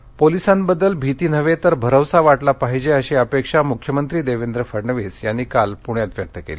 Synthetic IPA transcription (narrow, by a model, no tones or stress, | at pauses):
polisãnbəd̪ːəlbʱit̪iːnəʋet̪əɾbʱəɾəʋsaʋaʈlapaɦid͡ʑeəɕiəpekʂamukʰjəmənt̪ɾiːd̪eʋend̪ɾəfəɾɳəʋisjanːiːkalpuɳ̃jat̪ʋjək̚t̪əkḛli